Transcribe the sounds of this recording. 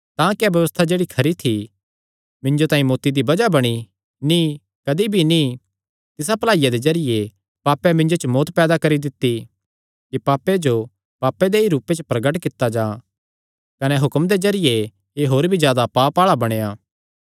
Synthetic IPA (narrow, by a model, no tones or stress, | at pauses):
t̪ãːkiɛbjɐʋəst̪ʰad͡ʒeːɽikʰɐɾit̪ʰi | mɪ̃ɲd͡ʒot̪ãːĩmoːt̪ːid̪ibɐd͡ʒabɐɽ̃i | ni | kɐd̪ibʱini | t̪ɪsapɐlaːijad̪ezɐɾɪje | paːpːɛmɪ̃ɲd͡ʒot͡ʃəmoːt̪pɛːd̪akɐɾid̪ɪt̪ːi | kipaːpːed͡ʒo | paːpːed̪eiɾuːpet͡ʃəpɾɐɡəʈkɪt̪ːad͡ʒãː | kɐnɛɦʊkmd̪ezɐɾɪje | eɦoːɾbʱizjaːd̪apaːpaːɭabɐɽ̃ejaː